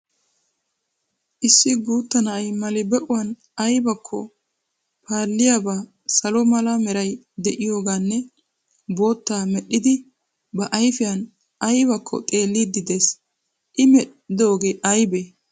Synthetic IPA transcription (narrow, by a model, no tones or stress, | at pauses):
ʔɪsːɪɡuːt̪ːɐnɐɐjmɐlɪbɛʔʊwɐn | ɐjbɐkʰːɔ̰ | pʰaːlːɪjabaː | sɐlɔmɐlɐmɛɾɐj | d̪ɛʔɪjo̞ːɡaːnːɛ | bo̞ːt̪ːaːmɛɗːɪd̪ɪ | bɐʔɐjfɪjɐn | ɐjbɐkʰːɔ̰t̪ʼe̞ːlːid̪ːɪd̪eːs | ʔɪmɛ | ɪd̪o̞ːɡeːʔɐjbe